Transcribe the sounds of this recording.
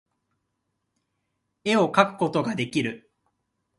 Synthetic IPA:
e̞o̞kakɯ̟̥ko̞t̪o̞ɡad̪e̞kʲiɾɯ̟

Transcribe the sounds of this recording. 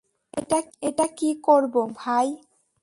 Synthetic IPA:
ḛʈaeʈakikoɾbobʱaj

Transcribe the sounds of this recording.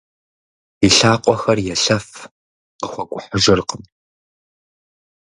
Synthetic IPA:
iɬaːqʷʼɔxɐrjɛɬɐf | qəxʷɔkʷʼʊħəʒɪrqəm

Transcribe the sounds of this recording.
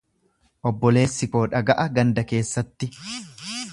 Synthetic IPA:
ʔɔbːɔle̞ːsːɪko̞ːᶑɐɡɐʔɐɡɐnd̪ɐke̞ːsːɐt̪ːɪ

